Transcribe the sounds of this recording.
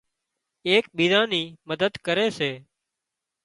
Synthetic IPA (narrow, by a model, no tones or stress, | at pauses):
eːkɓiːd̪ãːniːməd̪əd̪kəɾeːseː